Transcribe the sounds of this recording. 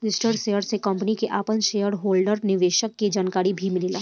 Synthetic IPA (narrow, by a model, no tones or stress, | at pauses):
lɪsʈəɾseːjəɾsekə̃mpənikeʔaːpənʃeːjəɾɦoːlɖəɾnɪʋeːʃəkːid͡ʒaːnkaːɾibʱimɪlilaː